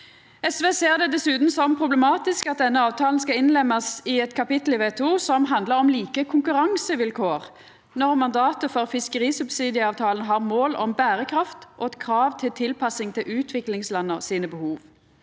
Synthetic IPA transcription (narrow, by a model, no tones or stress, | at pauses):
ɛsʋeːseːʁd̪ɛd̪ɛsʉːt̪n̩sɔmpʰʁʊblɛmɑːt̪ɪskɑt̪̚d̪ɛnːəɑːʋt̪ʰɑːln̩skɑɪnlɛmːɑsɪɛt̪kʰɑpɪt̪l̩ɪʋeːt̪ʰuːsɔmɦɑnd̪ləʁɔmliːkəkʰʊŋkʉʁɑŋsəʋɪlkʰoːʁ | nɔʁmɑnd̪ɑːt̪əfɔʁfɪskəʁiːsʉbsiːd̪ɪəɑːʋt̪ʰɑːlənɦɑːʁmoːlɔ̰mbæːʁəkʰʁɑft̪ʔɔkʰʁɑːʋt̪ʰɪlt̪ʰɪlpʰɑsɪŋt̪ʰɪlʔʉːt̪ʰʋɪklɪŋslɑnːəʁsiːnəbəhuːʋ